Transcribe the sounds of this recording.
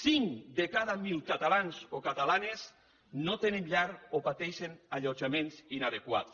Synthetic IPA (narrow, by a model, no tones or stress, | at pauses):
siŋd̪ekaðamilˠkat̪alanzokat̪alanes | not̪eneɲʎaɾopat̪ɛʃenaʎod͡ʒamensinaðekwa̰t̪